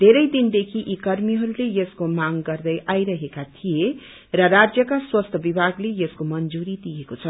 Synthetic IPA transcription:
d̪ʱeɾʌjd̪ind̪ekʰiʔikʌrmiɦʌɾulejʌskomaŋɡʌrd̪ʌjʔajɾʌɦekat̪ʰije | rʌɾad͡zjʌkaswʌst̪ʰʌbibʱaɡlejʌskomʌnd͡zuɾid̪ijekot͡sʰʌ

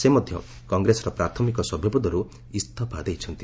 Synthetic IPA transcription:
semɔd̪ʱjɔ̰ | kɔŋɡɾesɔɾɔpɾat̪ʰɔmikɔsɔbʱjɔbud̪ʱɔɾu | ist̪ʰɔpad̪ejt͡ʃʰɔnt̪i

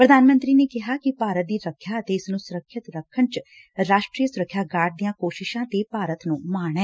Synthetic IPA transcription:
pɾəd̪aːnmə̃nt̪ɾiːneːkɪɦaːkɪpaːɾət̪̚d̪iːɾəkʰjaːət̪eːɪsnũːsʊɾəkʰːɪt̪ɾəkʰːəɳt͡ʃ | ɾaːʃʈɾiːəsʊɾəkʰːjaːɡaːʈ̚d̪ɪjãːkoːʃɪʃãːt̪eːpaːɾət̪nũːmaːɳɛː

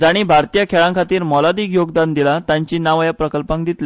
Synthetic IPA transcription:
d͡zaɽ̃iːbʱaɾt̪ijakʰeɭãŋkʰat̪iːɾmɔlad̪iːkjoɡd̪and̪ilat̪jaɲt͡ɕiːnaʋajapɾəkəlpãŋk̚d̪it̪le

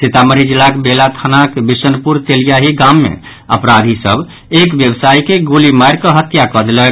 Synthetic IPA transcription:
t͡ʃet̪aməɾid͡ʒilakbelat̪ʰanakbisənpuɾt̪elijaɦiɡãmːḛ | ə̰pɾad̪ʱisə̰b | ekʋjəbsaikeɡolimajɾkəɦət̪jakəd̪lɛ

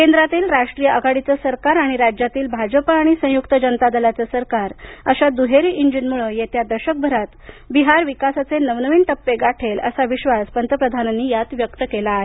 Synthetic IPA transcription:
kend̪ɾat̪iːlɾaʂʈɾijəʔəɡaɽit͡səsəɾkaɾaɽ̃iɾad͡ʑjat̪iːlbʱad͡ʑəpəːɽ̃isə̃jukt̪əd͡ʑənət̪ad̪əlat͡səsəɾkaɾəɕad̪uɦeɾiːʔiɲd͡ʑinmuɭəjet̪jad̪əɾɕək̚bʱəɾat̪biɦaɾʋikasat͡senəʋnəʋiːnt̪əpːeɡaʈʰelə̰saʋiɕʋaspənt̪əpɾəd̪ʱananːiːjat̪ʋjəkt̪əkelaːɦe

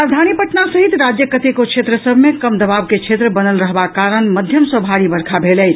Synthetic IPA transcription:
ad͡ʒd̪ʱañipəʈnasəɦit̪ɾad͡ʒjəkət̪ekokt͡ʃʰet̪ɾəsəbʱmekəmd̪əbabket͡ʃʰet̪ɾəbənəlɾəɦbakaɾəɳməd̪ʱjəmsəbʱaɽibəɾkʰabʱelɛj

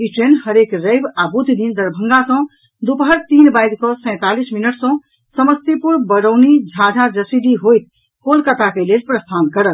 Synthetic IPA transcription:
iʈɾenhəɾekɾəjbabud̪ʱid̪ind̪əɾbʱəŋɡasə̃ | d̪upəɦəɾt̪inbajd̪kɔsə̃ɪ̃t̪alisminəʈsɔ̃ | səməst̪ipuɾbəɾəwnid͡ʒʱãd͡ʒʱad͡ʒəsid̪iɦojt̪ | kolkət̪akelelpɾəst̪ʰankəɾət̪̚

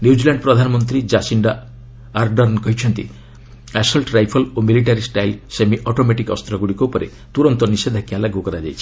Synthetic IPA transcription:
njud͡ʒilaɳɖpɾɔd̪ʱanɔmɔnt̪ɾid͡ʒasiɳɖaː | ɾɖɔɾnkɔɦit͡ʃʰɔnt̪ḭ | asɔlʈɾajpʰɔlomiliʈaɾisʈajlsemiʔɔʈomeʈikɔ̰st̪ɾɔɡuɽikoupɔɾḛ | t̪uɾɔnt̪ɔnised̪ʱakialaɡukɔɾad͡ʒajt͡ʃʰi̥

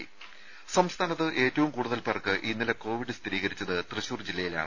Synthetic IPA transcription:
sɐmst̪ʰaːnɐt̪ːɨʔe̞ːtːɐʋumkuːɽuðɐlpɐrkːɨʔinːilɐko̞ːʋiɖɨst̪ʰiɾiːɣɐɾit͡ɕːɐðɨt̪rɨɕuːrd͡ʑilːɐjila̰ːɳɨ

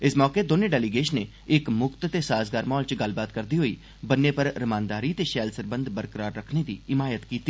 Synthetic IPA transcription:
ɪsmɔːkeːd̪oːnẽːɖɛːliɡeːʃneː | ɪkmʊkt̪t̪eːsaːsɡaːɾmɔːlt͡ʃɡəlbaːt̪kəɾd̪iːɦoːiː | bənːeːpəɾːəmãːnd̪aːɾiːt̪eːʃɛːlsəɾbənd̪bəɾkəɾaːɾːəkʰneːd̪ḭːɪmaːjət̪kiːt̪ːiː

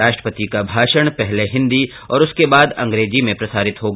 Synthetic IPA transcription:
aːʃʈɾə̥pət̪ikabʱaːʃəɽ̃pɛɦleɦɪ̃nd̪i | ɔːɾʊskebaːd̪ɐ̰̃ŋɡɾeːd͡ʒimẽpɾɐsaːɾɪt̪ɦoɡ

